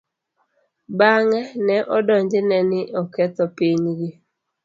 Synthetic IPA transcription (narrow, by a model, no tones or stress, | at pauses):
baŋɛnɛʔɔdɔɲd͡ʒɪnɛnɪʔɔkɛt̪ɔpiɲɡɪ